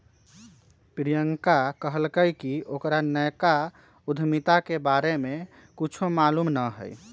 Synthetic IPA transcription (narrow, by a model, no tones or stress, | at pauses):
pɾijəŋkakəɦəlkəjkiokɾanəjka | ud̪ʱmit̪akebaɾeme | kut͡ʃʰomalumnəɦə̰j